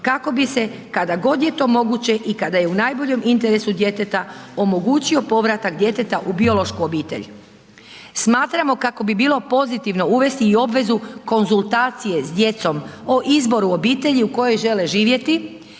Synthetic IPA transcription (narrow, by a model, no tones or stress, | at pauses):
kako̞bise̞ | kad̪aɡo̞d̪je̞t̪o̞ːmo̞ɡut͡ɕe̞ʔikad̪aje̞unaːjbo̞ʎe̞mʔint̪e̞ɾe̞sud̪je̞t̪e̞t̪ao̞mo̞ɡuːt͡ɕio̞po̞ʋɾat̪akd̪je̞t̪e̞t̪aʔubio̞lˠo̞ʃkuo̞biːt̪ḛʎ | smaːt̪ɾamo̞kako̞bibiːlo̞po̞zit̪iʋno̞uʋe̞st̪iːo̞bʋe̞zuko̞nzulˠt̪aːt̪sije̞zd̪je̞t̪so̞moʔizbo̞ɾuobiːt̪e̞ʎiuko̞jo̞jʒe̞le̞ʒiːʋje̞t̪i